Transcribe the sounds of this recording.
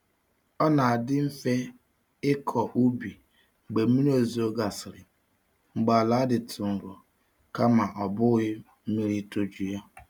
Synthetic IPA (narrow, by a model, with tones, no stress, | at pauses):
ɔ˦na˨a˨dɪ˦m̩˦fe˦ | ɪ˦kʰɔ˨ʔu˦bi˨ | ŋ͡m̩˨ɡ͡be˨˦i˦ɾo˦˨zi˨o˦ɡa˨sɪ˨ɾɪ˨ | ŋ͡m̩˨ɡ͡ba˨la˨˦dɪ˨tʰʊ˨ŋ̩˨ɡɔ˨ | ka˦ma˨ʔɔ˨bʊ˦ɣɪ˦ | m̩˦mi˦ɾi˦to˦d͡ʒu˨ja˦